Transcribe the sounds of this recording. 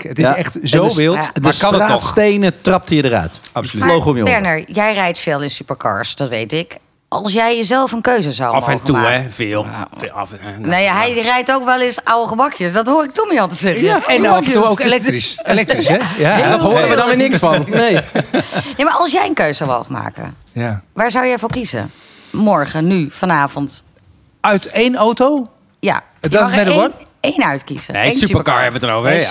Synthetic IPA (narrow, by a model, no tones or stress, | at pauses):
ətɪsɛχtzoʋɪlˠdəsɑaːtstejnətrɑp̚tʰijdəɾœ̰ɥtpslowχɔmjəbɛɹnəɹjɛjrɛjtfɪːlˠɪnsypəɹkɑ̰ɹsdɑtʋḛjtɪk | ʔɑ̰lˠsjɛjəzɛlˠfənkøɥzəza̰wfɛtuɛvɪːlˠ | neaɦɛjrɛjtowkʋɛlˠɪsɑwəχəmɑkjəsdɑtɦoːɪk̚tumiɑlˠtəzɛχɛndɑftuowkelɛk̚riselɛk̚trisɛjadoːəʋədɔnʋɪnɪksfɑnnej | jemaːɹɑlˠsjɛjənkøɥsəwʋo̰wχənma̰ːkə̰ | jaʋaːɹzawjɛfʊːkizə̰ | mɔɹχənyfɔnaːvɔnt | œɥtejnowtow | ja̰ | dɔtmɛdəɔt | ejnœɥtkḭz̥ə̰esyspəkɑɹɛbəʋətənowvəɛ